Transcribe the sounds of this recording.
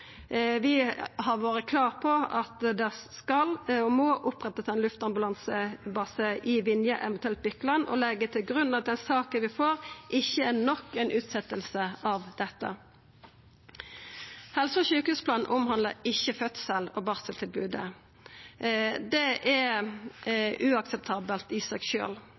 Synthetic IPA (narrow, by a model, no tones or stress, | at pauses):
ʋɪhɑʋoːʁəkʰlɑːʁpʰɔɑt̪d̪ɛskɑlɔmɔːʔʊpʁɛt̪ːət̪ɛnlʉft̪ɑmbʉlɑnsəbɑːsəʔɪʋɪnjəʔɛʋənt̪ʉɛlt̪̚bʏkːəlɑnːʔɔ̰lɛɡːət̪ʰɪlɡʁʉnːɑt̪̚d̪ɛnsɑːkənʋɪfoːʁʔɪçːəænɔkːɛɪnʔʉːt̪sɛt̪ːəlsəɑʋd̪̥ɛt̪ːə̰ | hɛlsɔçʉːkhʉːspʰlɑːnʔʊmhɑnləɪçːəfœt̪səlɔbɑʁsəlt̪ʰɪlbʉːd̪ə̰ | d̪ɛʔɛ | ʉɑksɛp̚t̪ʰɑːbəlt̪iːsɑkʃø̰ːl